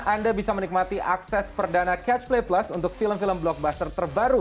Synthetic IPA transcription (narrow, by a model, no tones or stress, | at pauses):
ʔandabisamənik̚mat̪iʔaksɛspərdanakɛt͡ʃpleplasunt̪ʊk̚filəmfiləmblɔk̚bast̪ərt̪ərbaɾu